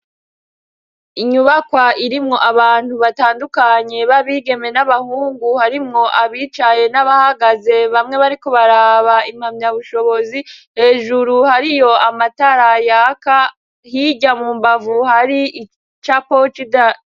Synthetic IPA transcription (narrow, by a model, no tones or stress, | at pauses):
iɲuβakwaiɾimŋo̞ʔaβaːn̥huβataːndukaɲe̞βaβiːɡe̞me̞naβahuːŋɡuhaɾimŋo̞ʔaβiːt͡ʃaje̞naβahaɡaze̞βamŋe̞βaɾiko̞βaɾaːβaim̥hamɲaβuʃo̞βo̞zihe̞ːʒuɾuhaɾijo̞amataɾajaka | hiɟamuːmbavuhaɾii | t͡ʃapo̞t͡ʃida